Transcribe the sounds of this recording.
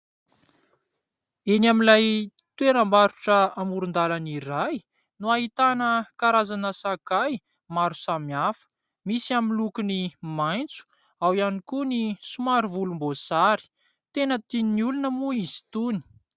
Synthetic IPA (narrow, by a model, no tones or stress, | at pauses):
enamilaj | t̪weɾəmbaɾuʈ͡ʂəamuɾund̪alaniɾaj | nuaɦit̪anəkaɾazanəsakaj | maɾu̥samiafə̥ | misiamilukunimajnt͡su̥ | awianikunisumaɾivulumbosaɾi̥ | t̪enət̪ininiulunəmuizi̥t̪uni̥